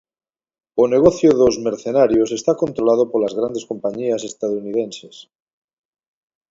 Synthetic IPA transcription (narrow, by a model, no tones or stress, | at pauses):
oneɣoθjoðozmeɾθenaɾjose̞st̪ako̞nt̪ɾolað̞opolazɣɾand̪esko̞mpaɲiase̞st̪aðounið̞enses